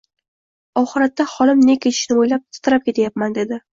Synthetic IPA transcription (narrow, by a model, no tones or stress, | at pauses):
ɒχɨɾat̪ːaχɒlɪmne̞kʲʰe̞t̪ʰɪ̥ʃnɪojlap̚t̪ʰɪ̥t̪ʰɾap̚kʲʰe̞t̪ʰajapmand̪e̞d̪ɪ